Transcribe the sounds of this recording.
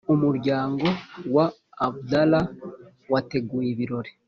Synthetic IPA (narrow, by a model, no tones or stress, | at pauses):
umuɾɟaːŋɡo̞waː | budala | wate̞ɡuːjeβiɾo̞ɾe